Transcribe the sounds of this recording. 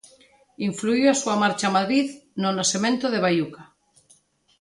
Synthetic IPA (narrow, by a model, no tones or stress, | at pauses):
iɱfluiwasuamaɾt͡ʃamaðɾiðnonasemẽnt̪oðeβ̞ajuka